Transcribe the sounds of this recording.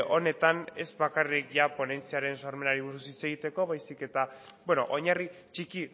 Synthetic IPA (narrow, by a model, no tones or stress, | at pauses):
ʔo̞ne̞t̪ane̞zbakarikʝapo̞ne̞nt͡siaɾe̞nsoaɾme̞naɾiβuɾusit͡se̞ɣ̞it̪e̞ko̞βajsike̞t̪abweno̞̰ʔoɲari | t͡ʃiki